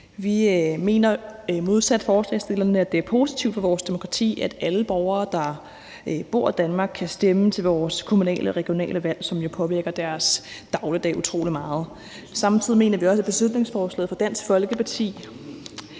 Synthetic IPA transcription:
ʋime̝̰ːnɐmo̝ð̞ˠsæd̥fɒːslɛ̰ːsd̥e̝lɐnəæd̥e̝æɐpʰo̝ːsit͡sʰiʊd̥fɒʋɒːsd̥e̝mo̝kʰʁɑt͡sʰḭːæd̥æləb̥ɒʊɐːd̥ɑ̈ | b̥o̝ɐ̰d̥ænmɑ̈ɡ̥̚kʰːæsd̥emət͡sʰe̝lʋɒːskʰo̝munɛ̰ːlʔəʁɛɡ̥jo̝nɛ̰ːləʋæl̰sɒ̽mjo̝pʰɒ̽ʋiɐɡ̥ɐd̥æɐsd̥ɑ̈ʊləd̥ɛ̰ːut͡sʰʁo̝̰ːlimɑ̈ːð̞̩ˠ | sɑ̈mt͡sʰið̰ˠime̝̰ːnɐʋiɒ̽səb̥e̝sluð̥ne̝ŋsfɒːslɛ̰ːð̩ˠfɒ̽d̥æn̰sɡ̥fɒ̽lɡ̥əpʰɑ̈t͡sʰḭː

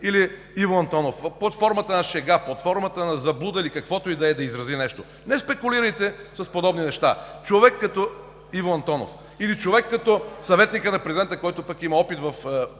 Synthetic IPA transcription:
ili | ivoɐnt̪ɔnofplot̪fɔɾmət̪ənɐʃɛɡaplˠɐt̪fɔɾmɐt̪ənɐzɐblˠud̪əilikɐkvɔt̪oid̪ɛɛd̪ɐizɾɐzinɛʃt̪o | nɛspɛkʊliɾəjt̪ɛsɐspod̪ɔbninɛʃt̪a̰t͡ʃovɛkːɐt̪ɔ | ivoɐnt̪ɔno̰f | ilit͡ʃovɛkːɐt̪ɔsɐvɛt̪nikənɐpɾɛzʲid̪ɛnt̪əkɔjt̪opɐkimɐɔpit̪vɐf

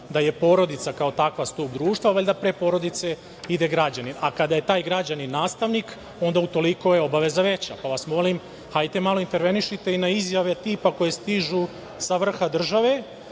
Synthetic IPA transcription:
d̪aje̞po̞ːɾo̞d̪it̪sakaot̪akʋast̪ubd̪ɾuːʃt̪ʋaʋelʲd̪apɾe̞po̞ːɾo̞d̪it̪se̞ | id̪e̞ɡɾad͡ʑaninakad̪aje̞t̪aːjɡɾad͡ʑaninaːst̪aʋnik | o̞nd̪aut̪o̞liko̞jeo̞baʋe̞zaʋe̞t͡ɕapaʋasmo̞lim | hajt̪e̞malˠo̞int̪e̞ɾʋe̞niʃit̪e̞inaizjaʋe̞t̪iːpako̞je̞st̪iʒu | saʋr̩xad̪r̩ʒaʋe̞

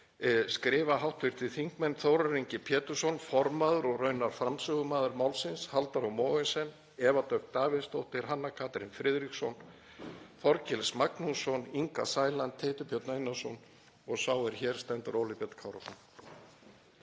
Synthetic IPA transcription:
skɾɪːvaɦawht̪vɪɾ̥t̪ʰɪðθiŋ̥kmɛnθowɾaɾiɲcɪpʰjɛːt̪ʏ̥sɔnfɔɾmaːðʏɾɔɣrœɥnaɾ̥fɾamsʏːɣʏmaːðʏɾmawlsɪnshalt̪aɾawmɔːɣɪnsɛn | ɛvat̪œk̪t̪aːvɪðst̪owht̪ɪɾ̥ɦanːakʰaːt̪ɾɪnfɾɪðɾiksɔn | fɔɾcɪlsmaknusɔniŋka̰saːjlant̪ʰːeːt̪ʏpʰjœt̪nejnːasɔn | ɔɣsawɛɾ̥çɛːɾ̥st̪ɛnt̪ʏɾowlipjɛt̪kʰawɾafɔn

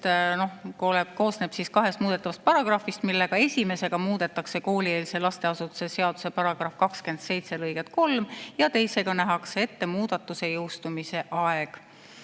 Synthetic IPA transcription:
no̞hkoleb̚ko̞ːsneb̥siskɑɦe̞st̪muːd̪e̞t̪ːˑɑvɑst̪̚pɑɾɑɡ̥rɑfist̪milːe̞ɡ̥ɑe̞sʲime̞se̞ɡ̥ɑmuːd̪̥e̞t̪ːˑɑkse̞ko̞ːlie̞ːlise̞lɑst̪e̞ɑsut̪ːˑu̥se̞se̞ɑd̪̥use̞pɑɾɑɡ̥rɑfkɑkske̞nd̪̥se̞jt̪se̞lɤjɡet̪̚ko̞lmjɑt̪e̞jse̞ɡ̥ɑnæɦɑksee̞t̪ːe̞muːd̪̥ɑt̪ːˑuse̞jɤwst̪umise̞ʔɑeɡ̥

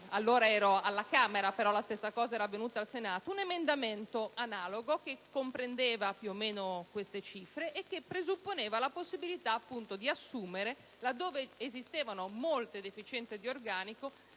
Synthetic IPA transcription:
alːoːɾaɛːɾoalːakaːmeɾapeɾɔlast̪esːakɔːzaɛːɾavːenuːt̪aːlsenaːt̪ounemend̪ament̪oanaːloɡok̟ekːompɾend̪eːvapjuomːeːnokwest̪et͡ʃifɾeʔːkːepːɾezupːoneːvalaposːibilit̪aːpːunt̪od̪iasːuːmeɾe | lad̪ːoːveːzist̪eːvanomolt̪ed̪efit͡ʃɛnt̪sed̪iorɡaːniko

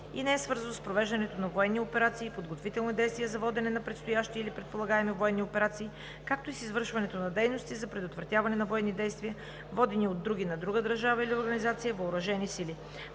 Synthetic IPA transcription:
inɛɛsvɤɾzɐnospɾovɛʒd̪ɐnɛt̪onɐvoɛnːiopɛɾat̪siːpod̪ɡot̪vit̪ɛlˠnid̪ɛjst̪viɛzɐvɔd̪ɛnɛnɐpɾɛt̪st̪ojaʃt̪iːlipɾɛt̪̚polˠɐɡaɛmivoɛnːiopɛɾat̪siː | kak̚t̪oisizvɤɾʃvɐnɛt̪onɐd̪ɛjnost̪izɐpɾɛd̪ot̪vɾɐt̪ʲavɐnɛnɐvoɛnːid̪ɛjst̪vijə | vɔd̪ɛniod̪ːɾuɡʲinɐd̪ɾuɡəd̪əɾʒavɐilioɾɡɐnizat̪sijəvɐoɾɐʒɛnisili

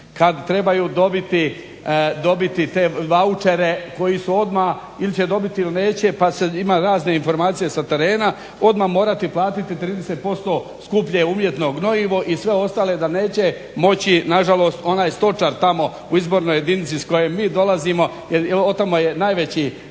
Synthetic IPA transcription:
kad̪t̪ɾebajuːd̪o̞bit̪i | d̪o̞bit̪it̪e̞ʋaut͡ʃe̞ɾe̞ko̞jisuo̞d̪ma | ilit͡ɕed̪o̞bit̪iiline̞ːt͡ɕepaseimaːɾaːzne̞info̞ɾmaːt̪sije̞sat̪e̞ɾe̞ːna | o̞d̪maːmo̞ːɾat̪iplˠaːt̪it̪it̪ɾiːd̪eset̪̚po̞st̪o̞ːskupʎeumje̞t̪no̞ːɡno̞iʋoʔisʋe̞o̞st̪aːle̞d̪aneːt͡ɕe | mo̞t͡ɕinaʒalo̞ːst̪o̞naːjst̪o̞t͡ʃaɾt̪amo̞ | uizbo̞ɾnoje̞d̪init̪sisko̞jemːiːd̪o̞laziːmo̞ | jeɾot̪amojenaːjʋet͡ɕi

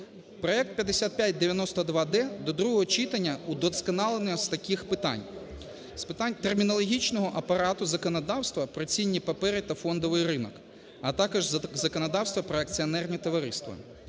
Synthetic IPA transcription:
pɾɔɛk̚t̪̚pʲjɐd̪esʲat̪̚pʲjatʲd̪eʋʲjɐnɔst̪ɔd̪ʋɑd̪ɛd̪ɔd̪ɾuɦɔɦɔt͡ʃit̪ɐnʲːɐud̪ɔskɐnɑlˠenɔz̥t̪ɐkʲixpɪt̪ɑ̰nʲ | spɪt̪ɑnʲt̪ermʲinɔlˠɔɦʲit͡ʃnɔɦɔʔɐpɐɾɑt̪ʊzɐkɔnɐd̪ɑwst̪ʋɐpɾɔt͡sʲinʲːipɐpɛɾɪt̪ɐfɔnd̪ɔʋɪjrɪnɔk | ɐt̪ɑkɔʒzɐkɔnɐd̪ɑwst̪ʋɐpɾɔɐk̚t͡sʲiɔnɛrnʲit̪ɔʋɐɾɪst̪ʋɐ̰

